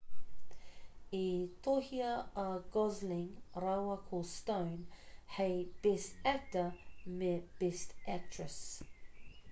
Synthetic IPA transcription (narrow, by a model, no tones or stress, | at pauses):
it̪ʰohiəəɡɔzlɪ̃ŋɹawəkʰostə̃ʊnheɪb̥ɪstæk̚təmeb̥ɪstæk̚tʰɹəs